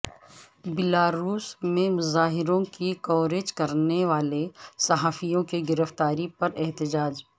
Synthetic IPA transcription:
bɪlaːɾuːsmẽmʊzaːɦɪɾõkikɔːɾed͡ʒkɐɾneʋaːlesɐɦaːfijõkeɡɪɾəft̪aːɾipɐɾɛɦt̪ɪd͡ʒaːd͡ʒ

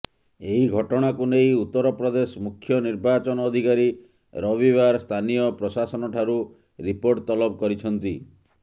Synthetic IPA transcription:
eɦiɡʱɔʈɔɽ̃akunejut̪ːɔɾɔpɾɔd̪esɔmukʰːjɔniɾbat͡ʃɔnɔːd̪ʱikaɾi | ɾɔβibaɾst̪ʰanijɔpɾɔsasɔnɔʈʰaɾu | ɾipoɾʈt̪ɔlɔb̚kɔɾit͡ʃʰɔnt̪i

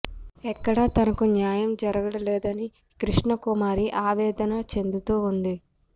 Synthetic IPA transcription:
ɛkːɐɽɐt̪ɐnɐkunjaːjɐmd͡ʒɐɾɐɡɐɽɐlɛːd̪ɐni | kɾiʂɳɐkumaːɾiʔaːʋɛːd̪ɐnɐt͡ʃe̞nd̪ut̪uːund̪i

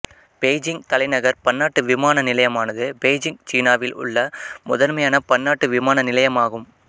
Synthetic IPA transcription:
peːd͡ʒɪŋt̪ɐlɐɪnɐɣɐɾpɐnːaːʈːɯʋɪmaːnɐnɪlɐjɐmaːnɐðɯpeːd͡ʒɪŋɡt͡ʃiːnaːʋɪlʊ̰ɭːɐmʊðɐɾmɐjaːnɐpɐnːaːʈːɯʋɪmaːnɐnɪlɐjɐmaːɣɯm

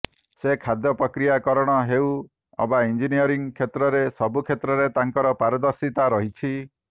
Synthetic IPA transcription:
sekʰad̪jɔpɾɔkɾijakɔɾɔɽ̃ɔɦeu | ɔ̰baind͡ʒinijɔɾiŋkʰet̪ɾɔɾesɔbukʰet̪ɾɔɾet̪aŋkɔɾɔpaɾɔd̪ɔɾsit̪aɾɔɦit͡ʃʰi

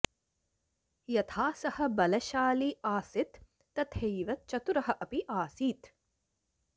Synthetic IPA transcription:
jɐt̪ʰaːsɐhɐ̆bɐlɐʃaːliaːsit̪ː | ɐt̪hejʋɐt̪̚t͡ʃɐt̪uɾɐɦɐ̆ʔɐpiʔaːsiːt̪

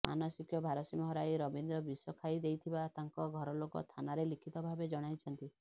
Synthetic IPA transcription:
mʔa̰nɔsikjɔbʱaɾɔsimɔɦɔɾajɾɔbind̪ɾɔbisɔkʰajd̪ejt̪ʰibat̪aŋkɔɡʱɔɾɔlokɔ̰t̪ʰanaɾelikʰit̪ɔbʱabed͡ʒɔɽ̃ajt͡ʃʰɔnt̪i

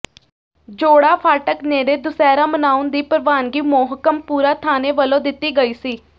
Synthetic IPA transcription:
d͡ʒoːɽaːpʰaːʈəkneːɾeːd̪ʊsɛːɾaːmənaːʊnd̪iːpəɾʋaːnɡiːmoːɦkəmpuːɾaːt̪ʰaːneːʋəlõːd̪ɪt̪ːiːɡəiːsiː

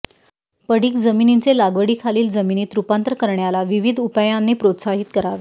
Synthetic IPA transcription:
pəɽiːkd͡zəminint͡selaɡʋəɽiːkʰaliːld͡zəminiːt̪ɾupant̪ɾəkəɾɳjalaʋiʋid̪ʱupajãnːepɾot̪saɦit̪̚kəɾaʋe

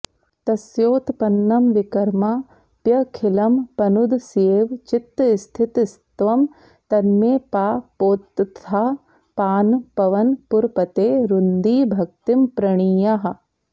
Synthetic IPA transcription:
t̪ɐsjoːt̪pɐnːɐmʋikɐɾmaː | pjɐkʰɪlɐmpɐnud̪ʱseːʋt͡ʃɪt̪ːst̪ʰɪt̪st̪ʋɐm | t̪ɐnmeːpaːpoːt̪ːt̪ʰaː | paːnpɐʋɐnpʊɾpɐt̪eːɾund̪iːbʱɐk̚t̪impɾɐɳ̃iːjaɦɐ̆

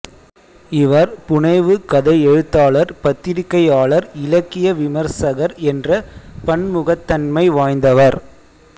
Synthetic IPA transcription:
ɪʋɐɾpʊɳɐɪʋɯkɐðɐɪɛɻɯt̪ːaːɭɐɾpɐt̪ːɪɾɪkːɐjaːɭɐɾɪlɐkːɪjɐʋɪmɐɾsɐɣɐɾɛndrɐpɐɳmʊɣɐt̪ːɐnmɐɪʋaːjnd̪ɐʋɐɾ

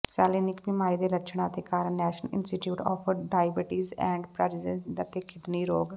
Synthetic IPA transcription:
sɛːliːnɪkbimaːɾiːd̪eːlət͡ʃʰɳãːt̪eːkaːɾnɛːʃəlɪ̰nsʈiʈjuːʈɔ̰ːpʰɖaːjbəʈiːzɛ̰̃ːɳɖpɾɛːɾɪzəsd̪ət̪eːkʰɪɖniːɾoːɡ

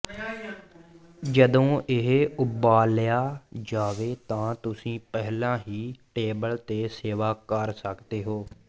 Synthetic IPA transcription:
d͡ʒəd̪õːʔɪɦʊbaːljaːd͡ʒaːʋeːt̪ãːt̪ʊsĩːpɛɦlãːɦiːʈeːbəlt̪eːseːʋaːkəɾsəkd̪eːɦoː

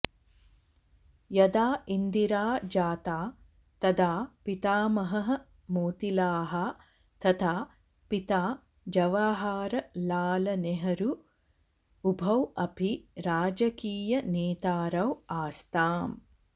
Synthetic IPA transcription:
jɐd̪aːʔind̪iɾaːd͡ʒaːt̪aː | t̪ɐd̪aːpit̪aːmɐɦɐɦɐ | moːt̪ilaːɦɐ | t̪ɐt̪ʰaː | pit̪aː | d͡ʒɐʋaːɦaːɾɐlaːlɐneɦɐɾu | ubʱɐwɐpʰiɾaːd͡ʒɐkiːjɐneːt̪aːɾɐwaːst̪aːm

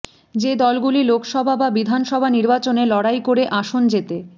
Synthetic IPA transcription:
d͡ʑed̪ɔlɡulilokʰʃɔbʱababid̪ʱanʃɔbʱaniɾbat͡ɕonelɔɽajkoɾeʔaʃond͡ʑet̪e

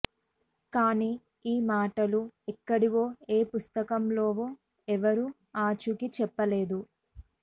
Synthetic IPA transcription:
kaːniː | iːmaːʈɐluɛkːɐɽiʋo̞ːeːpust̪ɐkɐmlo̞ːʋo̞ː | ɛʋɐɾu | aːt͡ʃukit͡ʃɛpːɐle̞ːd̪u

